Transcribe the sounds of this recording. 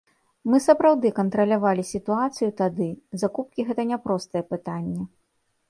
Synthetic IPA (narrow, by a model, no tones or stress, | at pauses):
mɨsɐpɾawd̪ɨkɐnt̪ɾɐlʲavalʲisʲit̪uat̪sɨjut̪ad̪ɨzakup̚kʲiɣɛt̪ɐnʲɛpɾɔst̪ɐjɛpɨt̪anʲːɛ